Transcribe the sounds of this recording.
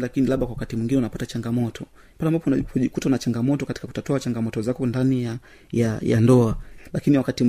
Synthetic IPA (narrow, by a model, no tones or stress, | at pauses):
lakinilaɓakwawakatimwiŋɡinɛunapatat͡ʃaŋɡamɔtʰɔ | mpalɛambapɔunaʄikutanat͡ʃaŋɡamɔtɔkati̥kaku̥tatɔat͡ʃaŋɡamɔtɔzakɔndanija | jaja̰ndɔalakiniwakatim